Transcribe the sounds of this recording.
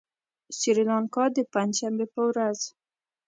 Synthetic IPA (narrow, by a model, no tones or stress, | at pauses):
siɾilɑnkɑd̪əpand͡ʒʃambepəwɾaz